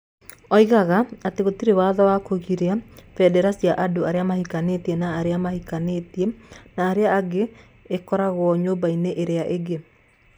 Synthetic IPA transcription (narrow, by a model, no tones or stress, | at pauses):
ɔiɣaɣaateɣotiɾewaðɔwakoɣiɾeafɛdɛɾasiaʔadoaɾeamahikanetiɛnaːɾeamahikaneːtiɛnaːɾeaːɡeː | kɔɾaɣɔɲobaineʔeɾeaʔeɡe